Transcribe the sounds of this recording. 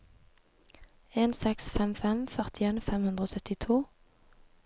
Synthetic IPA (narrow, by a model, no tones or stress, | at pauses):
eːnsɛksfɛmfɛmfœʁt̪ɪeːnfɛmhʉnd̪ʁoːsœt̪ɪt̪ʰuː